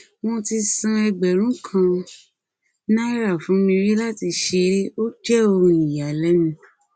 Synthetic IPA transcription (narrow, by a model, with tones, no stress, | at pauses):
wɔ̃˧ti˧sũ˧ɛ˧ɡ͡bɛ˨ɾ̃ũ˨˦kʰã˧ | nã˦ɾa˦˨fũ˨˦mĩ˧ɾi˦la˦ti˧ʃe˧ɾe˦o˦d͡ʒɛ˦o˧ɾũ˧i˨ja˨lɛ˨˦nũ˧